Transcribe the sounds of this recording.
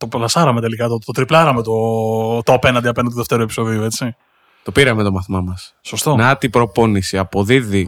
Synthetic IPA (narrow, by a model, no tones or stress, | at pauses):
t̪o̞plɐsɐɾɐmee̞likɐt̪ot̪ot̪ɾiplɐɾɐmet̪o̞t̪oɐpe̞nɐnd̪iɐpenɐnoðeft̪e̞ɾue̞pi̥so̞ðiue̞t͡si | t̪o̞piɾɐmet̪o̞mɐθmɐmɐsso̞st̪onɐt̪ipɾo̞po̞nisiɐpo̞ðiði